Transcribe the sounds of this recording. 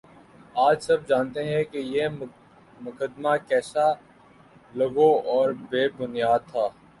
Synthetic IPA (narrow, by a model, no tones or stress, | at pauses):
aːd͡ʒsɐb̚d͡ʒaːnt̪eɦɛ̃keje | mʊkəd̪makɛːsa | lɐɡoɔːɾbeːbʊnijaːd̪̚t̪ʰaː